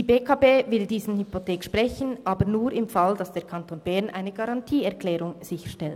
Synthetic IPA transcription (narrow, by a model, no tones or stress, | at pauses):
diːbeːkʰɑːbeːvɪldiːzn̩hypotʰɛːkʃpʁ̥ɛçən̩ʔɑːbənuːɾɪmfɑld̥ɑsd̥eːɐkʰɑntʰoːnbɛɐnʔa̰ɪnəɡɑʁɑntʰiːɛɐʁklɛːʁʊŋz̥ɪçə̥ʃtɛlt